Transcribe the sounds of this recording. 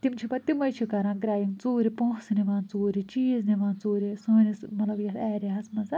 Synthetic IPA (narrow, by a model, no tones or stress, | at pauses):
t̪imt͡ʃʰipɐt̪imɐjt͡ʃʰikɐɾãːɡɾaːjiŋt͡suːɾipõːsniʋãːnt͡soːɾit͡ʃiːzniʋãːnt͡soːɾisoːnismɐt̪lɐbjɐsɛːɾiɦɐsmɐnzɐ